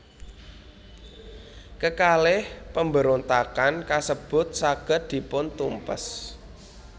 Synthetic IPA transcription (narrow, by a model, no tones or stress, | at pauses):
kəkalɪhpəmbəɾont̪akankasəb̥ʊ̤t̪̚saɡ̥ə̤d̪̥i̤pʊnt̪umpə̰s